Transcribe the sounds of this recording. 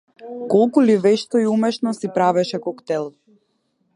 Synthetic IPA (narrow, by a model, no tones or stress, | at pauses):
kɔlˠkulivɛʃt̪ɔiumɛʃnɔsipɾavɛʃɛkɔkt̪ɛlˠ